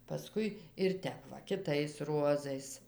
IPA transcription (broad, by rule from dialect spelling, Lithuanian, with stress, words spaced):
pɐˈskʊɪ ɪr ˈtʲɛp ʋɐ kʲɪˈtɐɪs ˈruɔzɐɪs